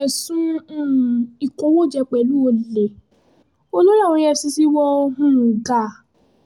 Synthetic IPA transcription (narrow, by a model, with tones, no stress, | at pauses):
ɛ˨sũ˦˨ | i˨kõ˨˦wo˦˨d͡ʒɛ˧k͡pɛ˨lu˦o˧le˨ | o˦lo˦ã˦˨ɔ̃˧jɛ˧si˧si˦wɔ˦o˧ɦũ˦˨ɡa˨